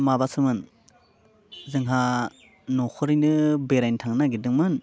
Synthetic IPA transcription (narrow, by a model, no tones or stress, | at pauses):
mabasɯmɯn | zɯŋɦa | nɔkʰɯɾɯjnɯbeɾajntʰaŋnaɡidɯŋmɯn